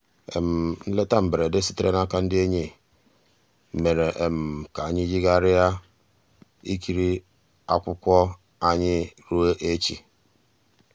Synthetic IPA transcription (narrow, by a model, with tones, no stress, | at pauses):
ḛ˨m̩˨n̩˦le˦ta˦m̩˨be˨ɾe˨de˦si̥˦te˦ɾe˦na˦ka˦n̩˦dɪ˦e˦ɲe˦˨ | me˨ɾe˨ʔe˨m̩˨ka˨a˨ɲɪ˦d͡ʒi˦ɡa˦˨ɾɪ˦ja˦ | i˦ki˨ɾi˦ | a̰˦kʷʊ˦kʷɔ˦ | a˦ɲɪ˦ɾu˦e˦ʔe˦t͡ʃḭ˨